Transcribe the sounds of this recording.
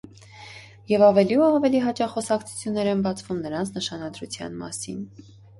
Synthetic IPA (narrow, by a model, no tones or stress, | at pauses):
jɛvɑvɛliuɑvɛliɦɑt͡ʃɑχɔsɑkt͡sʰu̥t͡sʰjunːɛɾɛnbɑt͡sʰvumnəɾɑnt͡sʰnəʃɑnɑd̪ɾut͡sʰjɑ̰nmɑ̰sḭn